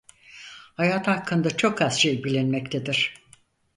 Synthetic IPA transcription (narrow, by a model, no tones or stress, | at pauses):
hajaːt̪hakʰːɯnd̪at͡ʃʰo̞kʰaz̥ʃejbilʲinmɛct̪ʰed̪iɾ̥